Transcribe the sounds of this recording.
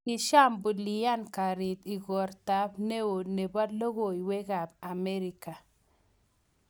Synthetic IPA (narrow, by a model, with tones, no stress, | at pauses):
i˨ʃa˦mbu˨li˨ja˦nka˨ɾi˨ti˨ɡɔ˨ɾta˨˦bne˦wo˨ne˨ba˦lo˦ɣo˨i˨we˦ka˨b̚a˨me˦ɾi˨ka˨